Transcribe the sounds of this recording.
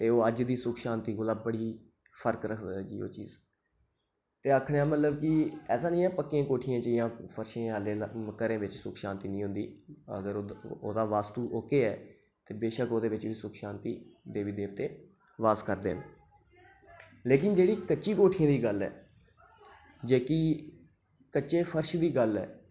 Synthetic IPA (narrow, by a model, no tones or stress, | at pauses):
t̪eːoːəd͡ʒd̪iːsʊkʰʃãːnt̪iːɡolaːbəɽiː | pʰəɾkɾəkʰd̪d͡ʒiːo̰ːt͡ʃḭːz | t̪eːakʰɽejaːmət̪ləbkɪɛːsaːnĩːɛːpəkːẽːkoːʈʰijãːt͡ʃəjãːpʰəɾʃẽːaːleːməkːəɾẽːʋɪt͡ʃsʊkʰʃãːnt̪iːnĩːɦʊ̃nd̪iːə̰ɡəɾo̰ːd̪aːʋaːst̪uːʔoːkeːɛː | t̪eːbeːʃəkoːd̪eːʋɪt͡ʃʋiːsʊkʰʃãːnt̪iːd̪eːʋiːd̪eːʋt̪eː | ʋaːskəɾd̪ḛːn | leːkɪnd͡ʒeːɽiːkətːʃiːkoːʈʰijãːd̪iːɡəlɛ̰ː | d͡ʒeːki | kətːt͡ʃeːpʰəɾʃd̪iːɡəlɛ̰ː